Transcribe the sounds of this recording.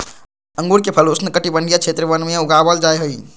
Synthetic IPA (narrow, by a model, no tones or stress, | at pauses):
əŋɡuɽkepʰəlosnəkəʈibəɳɖʱijat͡ʃʰet̪ɾəbənmeuɡabəld͡ʒajɦəi